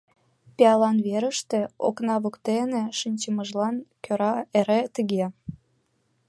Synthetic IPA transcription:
peɑlɑnβeɾəʃt̪ĕo̰knɑβukt̪eneʃinʲt͡ɕəməʒlɑnkøɾɑeɾet̪əɣe

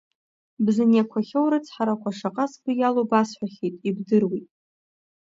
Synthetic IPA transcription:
bzanjakʷʰaχʲowɾat͡sʰħaɾakʷʰaʂaqʼasbɨjalobasħʷᶣaχʲejtʼibdɨrwitʼ

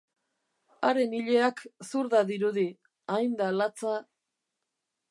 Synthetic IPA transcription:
aɾe̞niʎe̞aksuɾðaðiɾuði | ajnd̪alat͡sa

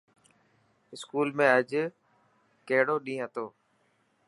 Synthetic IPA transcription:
ɪskuːlmẽːəd͡ʒ | keːɽoːɗĩːɦət̪oː

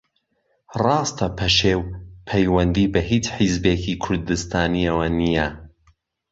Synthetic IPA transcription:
rɑːst̪ʰɐpʰɐʃeːwpʰɐjwɐnd̪ibɐɦiːt͡ʃħizbeːkʰikʰʊɾd̪ɨst̪ʰaːniɐwɐnijɐ

